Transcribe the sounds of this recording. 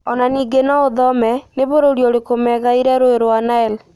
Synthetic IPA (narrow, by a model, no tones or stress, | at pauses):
ɔnaniːɡenaoðɔmɛneβoɾoɾjoɾekomɛɣaiɾɛɾoeɾoanaɛl